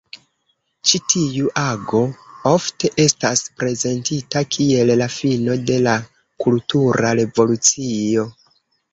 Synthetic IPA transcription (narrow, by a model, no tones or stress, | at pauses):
t͡ʃitʰijuʔaɡo̞o̞fte̞ʔe̞staspɾe̞ze̞ntitakʰie̞llafino̞de̞la | kultuɾaɾe̞vo̞lut͡sio̞